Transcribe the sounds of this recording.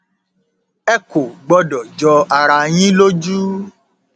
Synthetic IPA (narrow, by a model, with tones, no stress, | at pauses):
ɛ˦ko˨ɡ͡bɔ˧˦dɔ˨d͡ʒɔ˧a˧ɾa˧j̃ĩ˦lo˦d͡ʒu˦